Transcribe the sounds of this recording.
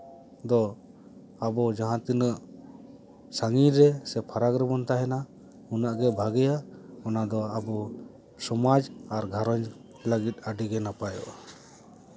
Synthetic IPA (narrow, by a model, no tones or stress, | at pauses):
d̪ɔ | abɔd͡ʒaɦãt̪inəʔ | saŋiɾɛsɛpʰaɾakɾɛbɔnt̪aɦɛna | hunaʔɡɛbʱaɡɛjaɔnad̪ɔabɔ | sɔmad͡ʒaɾɡʱaɾɔɲ | ləɡit̪̚ˀaɖiɡɛnapajɔ̰ʔ